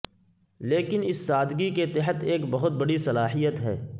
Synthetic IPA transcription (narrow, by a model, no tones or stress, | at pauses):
leːkɪnɪsːaːd̪ɡiket̪ɛɦət̪eːkbɐɦʊt̪̚bɐɽisɐlaːɦijət̪ɦɛ̰ː